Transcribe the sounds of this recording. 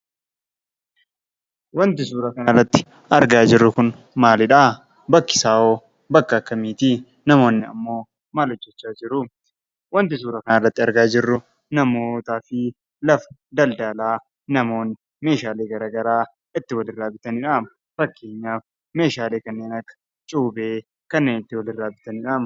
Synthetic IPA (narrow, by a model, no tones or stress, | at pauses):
wɐnt̪ɪsuːɾɐkɐnarːɐt̪ːɪ̥ | ɐɾɡaːd͡ʒɪrːʊkʊn | maːlɪᶑa | bɐkːɪ̥saːoː | bɐkːɐɐkːɐmiːt̪i | nɐmo̞ːnːɪɐ̰mːo̞ː | maːlɔd͡ʒːɛt͡ʃːaːd͡ʒɪɾʊ | wɐnt̪ɪsuːɾɐkɐnaːrːɐt̪ːɪɐɾɡaːd͡ʒɪrːʊ | nɐmo̞ːt̪aːfɪ | lɐfɐ̥d̪ɐld̪aːlaː | nɐmo̞ːnːɪ | me̞ːʃaːleːɡɐɾɐːɡɐɾaː | ɪt̪ːɪwɐlɪrːaːbɪt̪ɐnɪᶑaːm | fɐkːe̞ːɲːaːf | me̞ːʃaːleːkɐnːeːnɐkːɐ̥ | t͡ʃʼuːbe̞ː | kɐnːe̞ːnɪt̪ːɪwɐlɪrːaːbɪt̪ɐnɪᶑaːm